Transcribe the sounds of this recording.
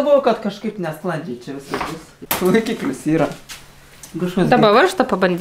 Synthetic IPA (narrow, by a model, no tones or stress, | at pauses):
bʊʋoːkɐt̪kɐʃkɐɪpnʲɛsplˠɐnʲd͡ʒʲɛɪt͡ʃʲɛʋʲɪsɐsbʊs | tlɐɪkʲiːklʲʊsiːɾɐ | kɐʃkɐsd̪d̪ɐbɐʋɐrʃt̪ɐpɐbɐnʲd̪ʲ